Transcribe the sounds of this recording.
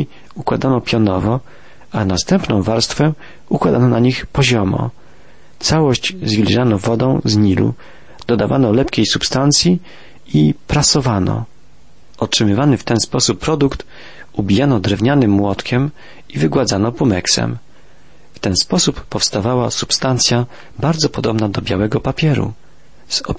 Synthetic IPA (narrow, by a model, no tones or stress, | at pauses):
ukwad̪anɔpʲjɔnɔvɔ | anast̪ɛmpnɔ̃w̃vaɾst̪fɛ | ukwad̪anɔnaɲixpɔʑɔmɔ̰ | t̪sawɔɕt͡ɕzvʲilʲʐanɔvɔd̪ɔ̃w̃zɲilṵ | d̪̥ɔd̪ava̰nɔlɛpkʲejsupst̪ant̪sʲji | ipɾasɔvanɔ̰ | ɔtʂɘmɘvanɘft̪ɛnspɔsupːɾɔd̪ukt̪ | ubʲijanɔd̪ɾɛvɲanɘmːwɔt̪kʲɛm | ivɘɡwad̪zanɔpumɛksɛ̰m | ft̪ɛnspɔsupːɔfst̪avawasupst̪ant̪sʲja | baɾd̪zɔpɔd̪ɔbnad̪ɔbʲja̰wɛɡɔpapʲjɛɾṵ | z̥ɔ